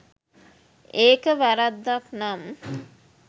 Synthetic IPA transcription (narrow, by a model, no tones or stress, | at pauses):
eːkəʋæɾad̪ːaknam